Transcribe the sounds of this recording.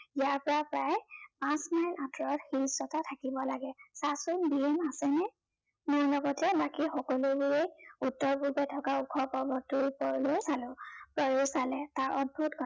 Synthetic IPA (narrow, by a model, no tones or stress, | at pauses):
ijaɹpɔɹapɹajpãsmajnʔatʰɹɔɹxiɹisɔtatʰakibɔlaɡɛsasʊnbiemasɛnɛ | mʊɹnɔɡɔtɛbakixɔkɔlʊbʊɹejutːɔɹpuɹbɛtʰɔkaukʰɔpɔbɔtuɹpɔɹlosalʊ̃pɹɔjosalɛtaɹɔd̚bʱutɡʰʱɔ